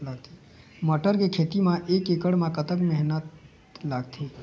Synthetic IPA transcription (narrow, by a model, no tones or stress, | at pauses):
laːɡ̚t̪ʰi | məʈəɾkekʰeːt̪imãʔeːkekəɽmãkət̪əkmɛɦnət̪ | laːɡt̪ʰiː